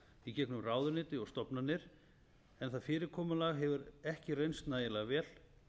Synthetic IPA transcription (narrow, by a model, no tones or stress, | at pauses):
icɛknʏmraːwðʏnɪːt̪ɪɔɣst̪ɔpnanːɪɾ̥ | ɛnθaðfɪːɾɪɾkʰɔːmalaɣɦɛvʏɾɛhcɪrejnst̪naːjɪlɛɣavɛːl